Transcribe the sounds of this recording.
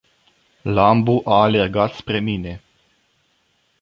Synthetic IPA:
lambuʔaːle̞rɡat̪spɾe̞mine̞

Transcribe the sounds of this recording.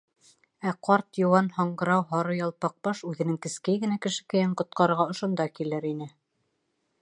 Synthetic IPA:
æqʰɑɾt̪jŏwɑnhɑɴɢɤ̆ɾɑwɦɑɾɤjɑlˠpɑq̚bɑʃʉðɘ̆nɘŋkɘ̆skæjɡɘ̆nækɘ̆ʃɘ̥kɘ̆jæɴqŏt̪̚qɑɾɤ̆ɾʁɑŏʃŏnd̪ɑkilɘɾinɘ

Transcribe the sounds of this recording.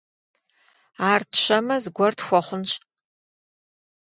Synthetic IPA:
aːrtɕɐmɐzɡʷɔrtxʷɔχʷʊnɕʼ

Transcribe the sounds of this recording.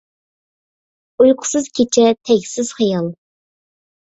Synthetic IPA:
ujqʰʊ̥sɨz̥kʲʰet͡ʃʰɛt̪ʰɛɡʲsɪz̥χijɑlˠ

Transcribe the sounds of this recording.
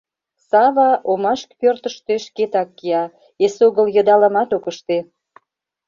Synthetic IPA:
sɑβɑʔomɑʃkpørt̪əʃt̪eʃket̪ɑkːiɑ | esoɣəljəd̪ɑlɑmɑt̪okəʃt̪e

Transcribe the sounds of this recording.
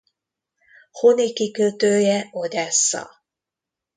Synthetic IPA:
honikikøt̪øːjɛod̪ɛsːɑ̰

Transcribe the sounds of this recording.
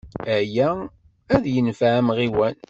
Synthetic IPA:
æjæ | æðjənfaʕæmʁiwæn

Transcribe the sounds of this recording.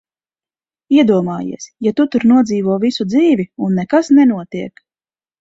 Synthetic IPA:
iɛd̪uɔmaːjḭɛsjat̪ut̪uɾnuɔd̪ziːvuɔvisud̪ziːviunːɛkasnɛnuɔt̪iɛk

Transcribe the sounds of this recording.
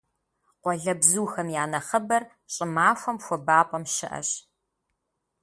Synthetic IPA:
qʷɔɮɐbzuːxɐmjaːnɐχɐbɐr | ɕʼɪmaːxʷɔmxʷɔbaːpʼɐmʃɪ̰ʔɐ̰ɕ

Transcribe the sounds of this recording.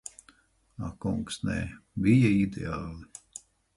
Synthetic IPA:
a̰kuŋksnɛ̰bijɐid̪ḛaːlˠɨ

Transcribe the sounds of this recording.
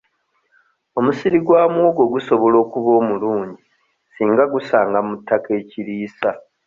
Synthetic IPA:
o̞musiɾiɡwaːmwoːɡo̞ɡuso̞βo̞lo̞ːkuβo̞ːmuluːɲɟi | siːŋɡaɡusaːŋɡamutːake̞ːciɾiːsa

